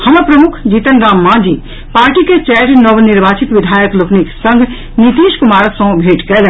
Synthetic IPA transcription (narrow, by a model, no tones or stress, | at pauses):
hɐmɐpɾɐmʊkʰd͡ʒiːt̪ənɾaːmːãːd͡ʒiː | paːɾʈiket͡ʃɛːɾnɔʋnɪɾʋaːt͡ʃit̪ʋɪd̪ʱaːjəklokniksɐ̃ŋɡʱ | nit̪iːʃkʊmaːɾsõːbʱeːʈkɛːlɛ̃